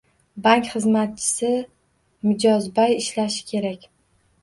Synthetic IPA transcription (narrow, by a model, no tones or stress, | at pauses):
baŋkʲχɨzmat̪̚t͡ʃʰɪ̥sɪ | mɪd͡ʒɒzbajɪʃlaʃɪ̥kʲʰe̞ɾakʲ